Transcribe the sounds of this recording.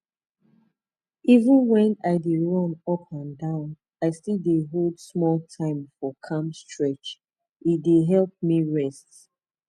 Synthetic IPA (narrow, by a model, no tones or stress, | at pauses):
ivə̃nwɛ̃naɪdeɹɔ̃nɔpʰãndãʊ̃n | aɪstildeɦoldsmɔltʰãɪ̃mfɔkʰãmstɹɛt͡ʃ | itdeɦɛlˠp̚miɹɛst